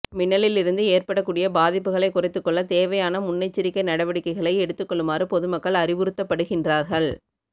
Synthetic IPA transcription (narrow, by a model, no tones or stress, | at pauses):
mɪnːɐɭɪlɪɾɯnd̪ɯeːrpɐɽɐkːuːɽɪjɐbaːðɪpːɯɣɐɭɐɪkːʊrɐɪt̪ːɯkːɔɭːɐt̪eːʋɐjaːnɐmʊnːɐɪt͡ʃːɪɾɪkːɐɪnɐɽɐʋɐɽɪkːɐɪɣɐɭɐɪɛɽɯt̪ːɯkːɔɭːɯmaːrɯpɔðɯmɐkːɐɭɐrɪʋɯɾɯt̪ːɐpːɐɽɯɣɪndraːɾɣɐɭ